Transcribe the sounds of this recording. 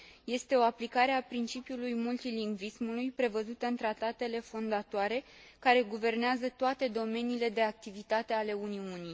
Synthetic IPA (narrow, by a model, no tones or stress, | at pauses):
je̞st̪e̞o̞aplikaɾe̞apɾint͡ʃipjulujmult̪iliŋɡvismulujpɾe̞vəzut̪əɨnt̪ɾat̪at̪e̞le̞fo̞nd̪at̪oaɾe̞ | kaɾe̞ɡuve̞rneazət̪oat̪e̞d̪o̞me̞niːle̞d̪e̞ak̚t̪ivit̪at̪e̞ale̞uniuni